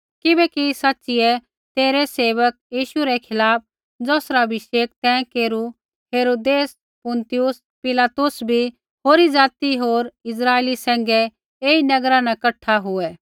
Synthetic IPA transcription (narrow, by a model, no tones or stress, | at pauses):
kɪbɛkisɐtːʃɪjɛ | t̪eːɾɛseːʋək̚jiːʃuɾɛkʰɪlaːp̚ | d͡zɔːsɾabʱɪʃeːk̚t̪ɛ̃keːɾu | ɦeːɾoːd̪eːs | pʊ̃nt̪ɪjʊs | pɪlaːt̪ʊsbʱi | ɦoːɾid͡zaːt̪iɦoːɾɪs̬ɾaːeːlisɛ̃ːŋ̆ɡɛ | eːinɐɡɾãnɐkɐʈʰːaɦʊɛ